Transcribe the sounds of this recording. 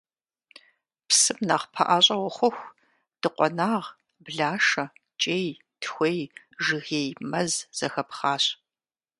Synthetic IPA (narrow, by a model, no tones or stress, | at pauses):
psɨmnaːχpʰɐ̰ʔaːɕʼɐwɐχʷʊxʷ | d̥ɨqʷɔnaːʁ | bɮaːʂɐ | t͡ʃʼeːj | tʰxʷej | ʒɨɣeːjmɐzz̥ɐxɐpχɑːɕ